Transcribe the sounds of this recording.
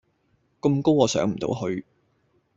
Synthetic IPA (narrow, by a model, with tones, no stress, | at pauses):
kʊ˧mko˥wɔː˨˧sœ̰ː˨˥ŋm̩˨˩t̪o̰˨˥whɵ˧ɥ